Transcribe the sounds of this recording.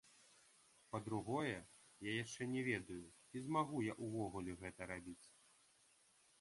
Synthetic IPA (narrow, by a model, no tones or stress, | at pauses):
pɐd̪ɾuɣɔjɛ | jajaʂt͡ʂɛnʲɛvʲɛd̪ɐju | izmaɣujaʔuvɔɣulʲɛɣɛt̪ɐɾabʲit͡sʲ